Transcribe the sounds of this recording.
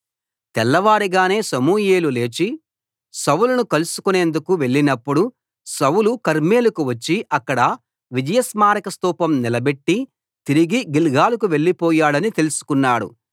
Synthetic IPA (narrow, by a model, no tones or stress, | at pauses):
t̪ɛlːɐʋaːɾiɡaːne̞ːsɐmuːjeːlule̞ːt͡ʃi | sɐwulɐnukɐlusu̥kune̞ːnd̪ukuʋe̞ɭːinɐpːuɽu | sɐwulukɐɾme̞ːlukuʋɐt͡ʃːiʔɐkːɐɽɐ | ʋid͡ʒɐjɐsmaːɾɐkɐst̪uːpɐmnilɐbe̞ʈːi | t̪iɾiɡiɡilɡaːlɐk̬uʋe̞ɭːipɔːjaːɽɐnit̪e̞lusu̥kunːaːɽṵ